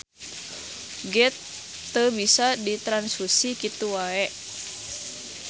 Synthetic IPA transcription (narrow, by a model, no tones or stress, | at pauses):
ɡɛt̪ː | əbisadit̪ɾansusikit̪uwaɛʔ